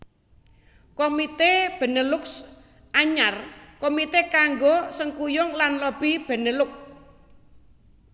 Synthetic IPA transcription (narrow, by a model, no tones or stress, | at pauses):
komit̪eb̥ə̤nəlʊks | ʔaɲarkomit̪ekaŋɡosəŋkujʊŋlanlob̥ib̥ə̤nəlʊk̚